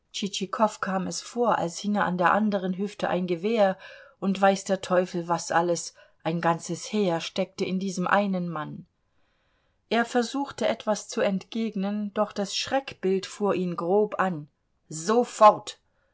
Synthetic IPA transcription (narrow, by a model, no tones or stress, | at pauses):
t͡ʃit͡ʃikʰɔfkʰaːmɛsfoːɐʔa̰lshɪŋəʔandeːɐʔandəʁ̞ənɦʏftəʔa̰ɪnɡəveːɐʔʊntv̥aɪsd̥eːɐtʰɔʏfl̩vasʔaləs | ʔaɪnɡant͡səsheːɐʃtɛk̚təɪndiːzəmʔaɪnənman | ʔeːɐfɛɐzuːxtəʔɛtv̥ast͡suɛntɡ̥eːɡnənd̥ɔχd̥asʃʁ̥ɛkb̥ɪltfuːɐʔiːmɡʁoːpʔan | zofɔʁt